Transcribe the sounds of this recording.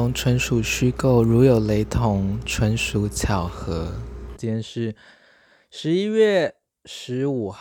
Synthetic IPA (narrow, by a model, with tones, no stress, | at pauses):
ʊ˧˥ŋʈ͡ʂʰwə˧˥nʂu˨˩ɕy˥ko˥˩ʊɻu˧˥jo˨˩ʊle˧˥ɪt̪ʰʊ˧˥ŋʈ͡ʂʰwə˧˥nʂu˧˥t͡ɕʰjɑ˨˩ʊxɤ˧˥t͡ɕjɛ˥˧nʂɻ̩˥˩ | ʂɻ̩˧˥i˥ɥɛ˥˩ | ʂɻ̩˧˥u˨˩